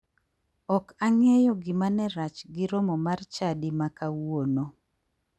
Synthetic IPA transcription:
ɔkaŋɛjɔɡɪmanɛɾat͡ʃɡɪɾomɔmart͡ʃadimakawono

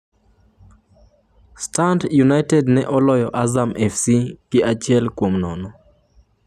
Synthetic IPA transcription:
stantjunajtɛdnɛʔɔlɔjɔʔazamʔɛfsiɡ̥ɪat͡ʃɪɛlkwomnɔnɔ

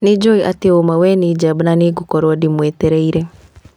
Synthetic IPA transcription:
nid͡ʒɔiʔa̰tiomawɛnid͡ʒabnaniɡukɔɾwadimwɛtɛɾɛiɾɛ

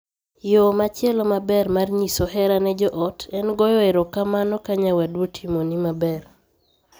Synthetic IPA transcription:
jomat͡ʃjɛlɔmabɛɾmarɲisoɦɛɾanɛd͡ʒɔʔɔtʰɛnɡɔjɔeɾɔkamanɔkaɲawadwotʰimonimabɛr

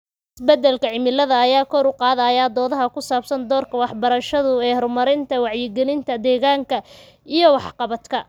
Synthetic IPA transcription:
ɪsbɛd̪ɛlkʰɐʕɪmɪlɐðɐːjaːkʰɔɾʊqɑːðajaːd̪ɔːðɐɦɐkʰʊsaːbsɐnd̪ɔːrkʰɐwɑħbɐɾɐʃɐðʊɛːhɔrmɐɾɪnt̪ʰɐwɑʕjɪɡɛlɪnt̪ʰɐd̪ɛːɣaːŋkʰɐ | ʔijɞwɑħqɑβɐt̪kʰɐ

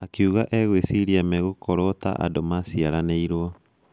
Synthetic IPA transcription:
akiuɣaʔɛɣwesiɾiamɛɣokʰɔɾɔta̰ʔa̰domasiaɾaneiɾwɔ

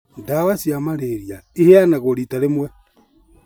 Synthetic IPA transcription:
dawasjamaɾeɾjaiheanaɣoɾitaɾemwɛ

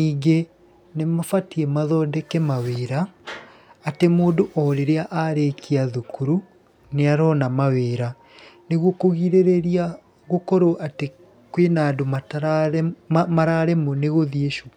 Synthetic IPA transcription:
iːɡe | nemafatiɛmaðɔdɛkɛmaweːɾaː | temoːdoʔɔɾeɾeaʔaɾekʰiaðukuɾu | neaɾɔːnamaweːɾa | neɣwɔkoɣiɾeɾeɾia | ɣokɔɾoʔate | kwenadomat | maɾaɾɛmoneɣoðieʃo

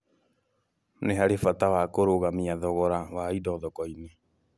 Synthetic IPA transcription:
neɦaɾefatawakoɾoɣamiaðɔɣɔɾawaidɔːðɔkɔine

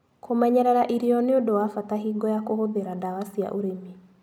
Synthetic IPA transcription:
kʰomɛɲɛɾɛɾaʔiɾiɔneodowafataɦiːɡɔjakohoðeɾadawasia̰ʔoɾeme

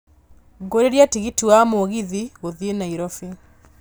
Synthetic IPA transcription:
ɡoɾeɾjatiɣituwamoːɣiðiɣoðienaiɾɔfi

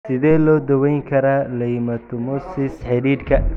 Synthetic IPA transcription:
sɪðɛːlɔːd̪ɐwɛjŋkʰɐɾalɐjɪmɐt̪ʰʊmɔsɪsħɛɾiːɾkʰɐ

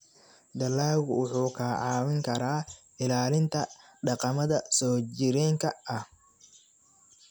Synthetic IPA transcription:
d̪ɐlːaːwʊwʊħuːkʰaːʕaːwɪŋkʰɐɾaː | ɪlaːlɪnt̪ʰɐ | ɖɑqɑmɐðɐsɔːd͡ʒɪɾɛːŋkʰɐɐh

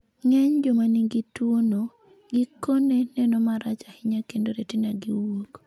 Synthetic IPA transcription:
ŋɛɲd͡ʒomaniɡitwono | ɡɪkonenɛnɔmaɾat͡ʃahɪɲakendoɾetinaɡiwok

